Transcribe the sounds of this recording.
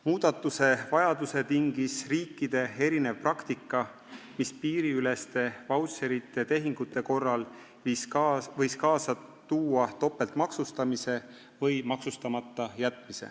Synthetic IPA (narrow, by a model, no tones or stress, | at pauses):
muːd̪̥ɑt̪ːˑuse̞vɑjɑd̪use̞t̪iŋɡ̥isriːkːid̪̥e̞e̞ɾine̞vprɑkt̪ikːˑɑ | mispiːɾiyle̞st̪e̞vɑwt̪seɾit̪ˑːe̞t̪e̞ɦiŋɡ̥ut̪ːˑe̞ko̞rːɑl | visvɤjskɑːsɑ | t̪uːɑt̪o̞pːˑe̞lt̪mɑksust̪ɑmise̞ | vɤjmɑksust̪ɑmɑt̪ːɑjæt̪ːˑmise̞̰